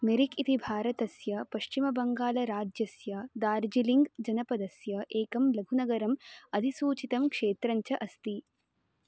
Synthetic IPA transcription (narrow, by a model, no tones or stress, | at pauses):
meɾikit̪ibʱaːɾɐt̪ɐsjɐpɐʃt͡ʃimɐbɐŋɡaːlɐɾaːd͡ʒjɐsjɐd̪aːɾd͡ʒiliŋɡd͡ʒɐnɐpɐd̪ɐsjɐʔeːkɐmlɐɡʱunɐɡɐɾɐmɐd̪ʱisuːt͡ʃit̪ɐmkʂeːt̪ɾɐɲt͡ʃɐʔɐst̪i